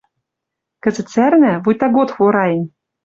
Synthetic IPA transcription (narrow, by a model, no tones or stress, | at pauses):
kɘ̆zɘ̆t̪t͡særnæ̆vujʲt̪ɑɡot̪xuɾɑjɘ̆nʲ